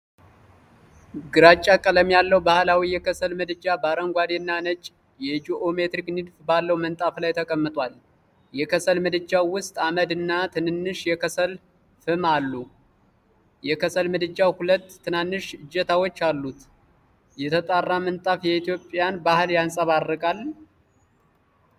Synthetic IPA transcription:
ɡɨɾat͡ʃʼːakʼələmjalːəwbahlawijɛkʰəsəlmɨd̪ɨd͡ʒːabaɾəŋɡʷad̪enːanət͡ʃʼ | jɛd͡ʒiʔomet̪ɾiknɨd̪fbalːəwmənt̪ʼaflajt̪ʰəkʼəmːɨt̪ʼwal | jɛkəsəlmɨd̪ɨd͡ʒawʊst̪ʼaməd̪ɨnːat̪ʰɨnɨnːɨʃjɛkʰəsəl | fɨmalːu | jɛkəsəlmɨd̪ɨd͡ʒawhulət̪ːɨnanːɨʃɨd͡ʒːɛt̪ʰawot͡ʃːalːut̪ | jɛt̪ʰət̪ʼarːamɨnt̪ʼafjɛit̪jo̞pʼjanbahɨljansʼəβarːɨkʼal

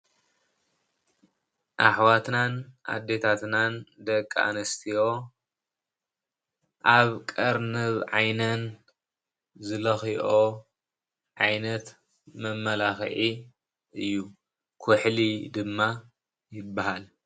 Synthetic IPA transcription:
ʔaħwat̪nanʔa̰d̪ːe̞t̪ʰat̪nand̪ɐkʼːa̰nɐst̪ʰijo̞ | ʔaβkʼɐɾnɨβʕajnɐn | zɨlɐxiʔo | ʕajnɐt̪ | mɐmːɐlaxʕi | ɨjːu | kʰʊħlid̪ɨmːa | jɪbːahal

